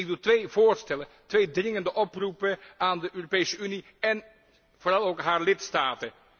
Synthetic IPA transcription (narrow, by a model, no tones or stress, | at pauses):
ɪɡ̚dutʋejvoːɹstɛləntʋejdrɪŋəndəʔɔprupəaːndəʔøːropejsəyni | ɛn | v̥oːrɑlˠowkɦaːɹlɪtstaːtə